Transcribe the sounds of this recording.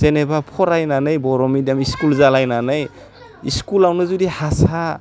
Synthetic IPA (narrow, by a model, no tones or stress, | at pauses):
zenebapʰɔɾajnanɯjbɔɾɔmidiamiskulzalajnanɯj | iskulawnɯzudihasa